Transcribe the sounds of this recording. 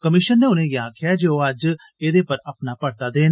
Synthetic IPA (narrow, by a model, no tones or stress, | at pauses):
kəmɪʃənːeːʊnẽːjaːkʰɪjaːd͡ʒeːoːəd͡ʒ | eːd̪eːpəɾəpnaːpəɽt̪aːd̪eːn